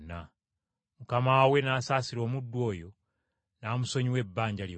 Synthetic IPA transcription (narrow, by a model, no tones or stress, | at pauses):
na | mukamawe̞naːsaːsiɾo̞ːmudːwo̞ːjo̞ | naːmuso̞ɲiwe̞bːaːɲɟalj